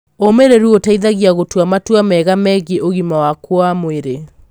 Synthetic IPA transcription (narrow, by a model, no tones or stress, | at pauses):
omeɾeɾuotaiðaɣiaɣotwamatwamɛɣamɛɣeʔoɣimawakwɔamoeɾe